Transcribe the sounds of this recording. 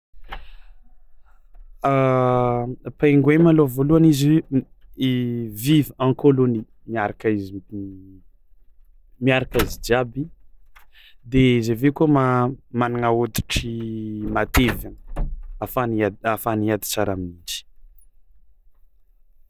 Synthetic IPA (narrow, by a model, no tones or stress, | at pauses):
a | peŋɡwemalovoluanizi | vivãŋkoloni | miaɾakaizi | miaɾakaizid͡ʒabi | d̪ezevekumamanaŋaod̪i̥ʈ͡ʂimat̪evəafaniaafaniad̪i̥t͡saɾaminind͡ʒi̥